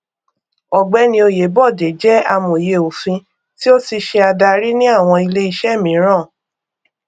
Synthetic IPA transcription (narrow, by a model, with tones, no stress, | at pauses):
ɔ˨ɡ͡bɛ˨˦nĩ˧o˧je˨˦bɔ˦˨de˨d͡ʒɛ˦a˧mõ˨je˧o˨fĩ˧ | ti˦o˦ti˧ʃe˧a˧da˧ɾi˦nĩ˦a˦˨w̃ɔ̃˧i˧le˦i˧ʃɛ˦˨mĩ˨˦ɾ̃ã˦˨